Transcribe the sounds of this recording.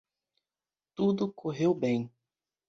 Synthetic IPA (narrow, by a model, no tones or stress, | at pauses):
t̪ud̪ʊkʰoɦewbẽj̃